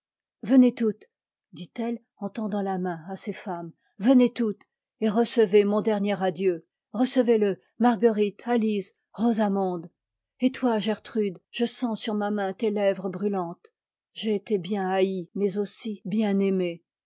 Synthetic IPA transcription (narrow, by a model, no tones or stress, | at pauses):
vənet̪ut̪ | d̪it̪ɛl | ɑ̃t̪ɑ̃d̪ɑ̃lamɛ̃asefam | vənet̪ut̪ | eʁəsəvemɔ̃d̪ɛʁnjɛʁad̪jø | ʁəsəvelə | maʁɡəʁit̪ʰalis | ʁozamɔ̃d̪ | et̪waʒɛʁt̪χyd̪ʒ̥əsɑ̃syʁmamɛ̃t̪elɛvʁəbʁylɑ̃t̪ | ʒeːt̪ebjɛ̃aimɛzosibjɛ̃neme